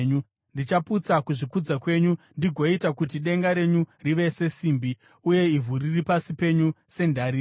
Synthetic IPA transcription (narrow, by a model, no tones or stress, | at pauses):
ɲu | ndit͡ʃaput͡sakuʐikud͡zakwe̞ɲundiɡʱoitakut̬iɗe̞ŋɡaɾe̞ɲuriʋe̞se̞siːmbi | uje̞ivʱuriripasipe̞ɲu | se̞ndaɾi